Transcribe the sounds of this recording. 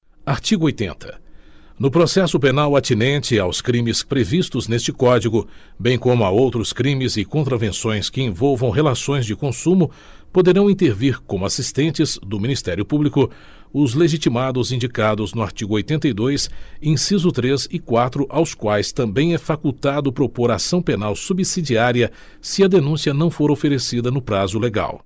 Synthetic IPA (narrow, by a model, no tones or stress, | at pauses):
aɾt͡ʃiɡʊojt̪ḛ̃nt̪ʰɐ̥ | nʊpɾosɛsʊpenawat͡ʃ̪inẽnt͡ʃɪawskɾĩmɪspɾevist̪ʊznest͡ʃɪkɔd͡ʒiɡʊ | bẽj̃kõmʊaowt̪ɾʊskɾĩmɪzɪkõnt̪̬ɾavẽsõj̃skɪẽvowvɐ̃w̃ɦelasõj̃zd͡ʒɪkõsũmʊ | pod̪eɾɐ̃w̃ĩnt̪eɾviɾkõmʊasist̪ẽnt͡ʃɪzd̪ʊmĩnist̪ɛɾjʊpublikʊ | ʊzleʒit͡ʃimad̪ʊzĩnd͡ʒikad̪ʊznʊaɾt͡ʃiɡʊojt̪ẽnt̪ɐjd̪ojsẽj̃sizʊt̪ɾezɪkwat̪ɾʊʔawskwajst̪ɐ̃mbẽj̃ɛfakut̪ad̪ʊpɾopoɾasɐ̃w̃penawsubisid͡ʒiaɾiɐ | sɪɐd̪enũsiɐnɐ̃w̃foɾofeɾesid̪ɐnʊpɾazʊleɡa̰w